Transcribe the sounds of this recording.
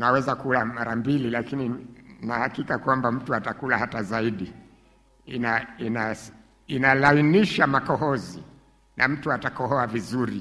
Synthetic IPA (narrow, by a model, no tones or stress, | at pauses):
nawɛzakulamaɾambililakininahakikakwambam̩tuatakulahatazaiɗi | inaina | inalainiʃamakɔɦɔzḭ | nʔa̰m̩tuatakɔɦɔavizuɾi